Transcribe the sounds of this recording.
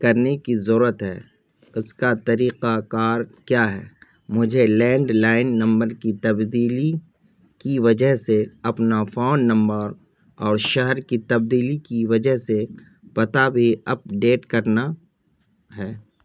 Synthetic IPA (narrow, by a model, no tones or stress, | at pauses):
kɐɾnekizəɾuːɾət̪ɦɛː | ʊskat̪ɐɾiːqakaːɾkjaːɦɛ̰ː | mʊd͡ʒʱelɛ̃ːɳɖlaːɪnːɐ̃mbəɾkit̪ɐbd̪iːli | kiʋɐd͡ʒəɦseɐpnafaːnːɐ̃mbəɾ | ɔːɾʃɛɦɛɾkit̪ɐb̚d̪iːlikiʋɐd͡ʒəɦse | pɐt̪abʱiɐp̚ɖeːʈkɐɾna | ɦɛː